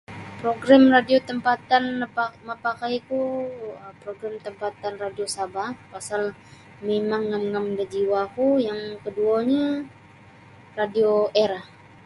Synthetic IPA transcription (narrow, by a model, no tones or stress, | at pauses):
pɾoɡɾamradiot̪əmpat̪anːəpamapakajkuəpɾoɡɾamt̪əmpat̪anradiosabahpasal | memaŋːamŋamdad͡ʒiwakujaŋkəduaɲa | radioeɾah